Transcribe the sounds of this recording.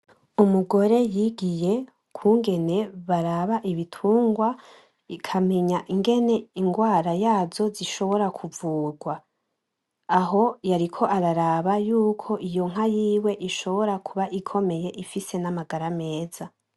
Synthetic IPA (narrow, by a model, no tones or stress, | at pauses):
umuɡo̞ɾe̞jiɡije̞ | kʰuːŋɡe̞ne̞βaɾaβaʔiβitʰuːŋɡwa | ikʰame̞ɲaʔiŋɡe̞ne̞iŋɡwaːɾajaːzo̞ziʃo̞βo̞ɾakʰuvuːɾɡwa | ɦo̞jaɾikʰo̞ʔaɾaɾaβajuːkʰo̞ʔijo̞ŋ̥ɦajiːwe̞ʔiʃo̞βo̞ɾakʰuβaʔikʰo̞me̞je̞ʔifise̞namaɡaɾame̞ːz̥a